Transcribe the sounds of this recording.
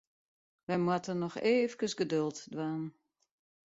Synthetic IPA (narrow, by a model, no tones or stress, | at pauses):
ʋɛmwatənɔxeːfkəsɡədølˠtdwaːn